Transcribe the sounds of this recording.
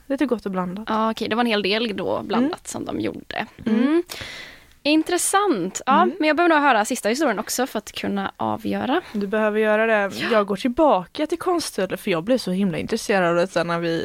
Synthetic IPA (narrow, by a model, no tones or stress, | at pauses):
d̪ɛt̪ɛɾɡɔt̪ːɔbland̪aɑːɔkʰɛjd̪ɛvaɾɛnheːld̪eːld̪o̰ːbland̪at̪sɔ̰md̪ɔ̰mjṵɖːə̰ | ɪnt̪ɾɛsant̪ɑːmɛnjɑɡbɛhøvənuːɡɦœːɾasɪst̪ahɪst̪uːɾɪənɔksɔfœɾat̪kʰɵnːa̰ʔɑ̰ːvjœ̰ːɾad̪ɵbɛhøːvəɾjœːɾad̪ɛjɑːɡɡoːʈʰɪlbɑːkat̪ʰɪlkʰɔnst̪ʰʉlːəfœɾjɑːɡ̚blɪʂɔhɪmlaɪ̰nt̪ɾɛseːɾad̪ɑvɛt̪sɛnːæɾvɪ